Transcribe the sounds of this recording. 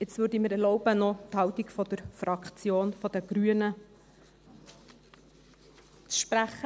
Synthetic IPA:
ɪt͡sʋʏːɾdiməɾɛrlɔʊbənɔt̪hɑwt̪iɡfɔd̪əɾfɾɑkt͡sjoːnfɔd̥̪əɡ̥ɾyənə | t͡sʃpɾæχːə

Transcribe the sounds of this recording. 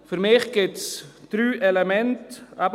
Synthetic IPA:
fyɾmɪːχɡ̥ɪtsd̥ɾyːʔɛlemɛntab

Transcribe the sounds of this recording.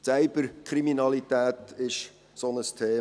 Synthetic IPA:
t͡sæɪbəɾkʰɾiminɑlit̪æːt̪ɪʃ | sonəst̪ʰeː

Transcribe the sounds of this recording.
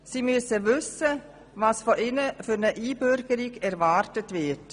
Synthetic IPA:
siːmyəsəvʏsə | vɑːsfɔʔɪnəfʏɾnəʔiːbʏɾɡəɾiɡɛɾvɑːɾtətvɪt

